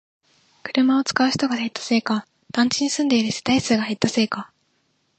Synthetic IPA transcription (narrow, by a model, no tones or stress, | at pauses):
kɯ̟ɾɯ̟mao̞t͡sɨ̥kaɯ̟ç̥t̪o̞ɡahet̪ːḁse̞ːka | d̪̥ãɲ̟t͡ɕiɲ̟isɨ̃nd̪e̞iɾɯse̥t̪aisɨːɡahet̪ːase̞ːka